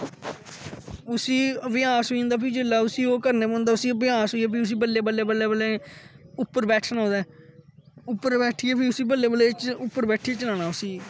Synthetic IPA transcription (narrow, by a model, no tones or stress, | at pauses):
ʊsiːəʋɪaːsõːnd̪aːpʰiːd͡ʒɪlːaːʊsiːoːkəɾneːbõːnd̪aːʊsĩːbɪjaːsɦoːijɛːp̬ʰiːʊs̬iːbəlːeːbəlːeːbəlːeːbəleːʊpːəɾbɛːʈʰsənõːd̪aː | ʊpːəɾbɛːʈʰiːɛːpʰiːʊsiːbəlːeːbəlːeːt͡ʃʊpːəɾbɛːʈʰieːt͡ʃəlãːnaːʊsiː